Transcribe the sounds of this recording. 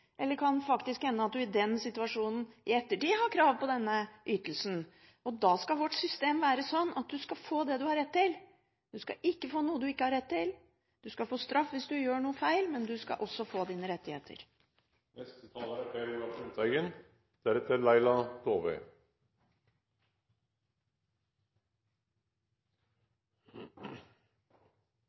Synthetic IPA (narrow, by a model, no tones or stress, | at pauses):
ʔɛlːəɾkʰɑnfɑkt̪ɪskhɛnːəɑt̪̚d̪ʉɪd̪ɛnsɪt̪ʉɑʂuːnn̩ɪɛt̪ːəʈiːhɑkʰɾɑːʋpɔd̪ɛnːəʔyːt̪əlsn | ɔd̪ɑːskɑʋɔʈsʏst̪eːmʋæːɾəsɔnːʔɑt̪̚d̪ʉskɑfoːd̪ɛd̪ʉhɑɾɛt̪ʰːɪl | d̪ʉskɑ̰ʔɪkːəfoːnuːəd̪ʉɪkːəhɑɾɛt̪ːɪl | d̪̥ʉskɑfoːst̪ɾɑfːʋɪsd̪ʉjøːɳuːəfæɪlmɛnd̪ʉskɑ̰ʔɔsːɔfoːd̪iːnəɾɛt̪ːɪhḛːt̪ʰə̰ɾ | nɛst̪ət̪ʰɑːləɾəfeːɾuːɑfut̪æɪɡən | d̪̥æɾɛt̪əɾlæɪlɑd̪̥oːʋḛ